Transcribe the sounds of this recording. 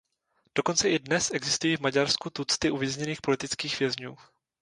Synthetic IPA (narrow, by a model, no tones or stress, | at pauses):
d̥o̞ko̞nt͡sɛʔɪdnɛsʔɛɡzɪst̪ujiːvmaɟaɾskut̪ut͡st̪ɪʔuvjɛzɲɛniːxpo̞lɪt̪ɪt͡skiːxvjɛzɲuː